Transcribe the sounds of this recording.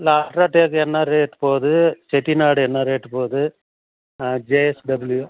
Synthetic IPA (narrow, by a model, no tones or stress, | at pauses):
laːʈɾaːʈeːkɛnːɐɾeːʈːpoːðɯt͡ʃɛʈːinaːɽɯɛnːɐɾeːʈːɯpoːðɯ | d͡ʒeːɛsɖɐbɪlju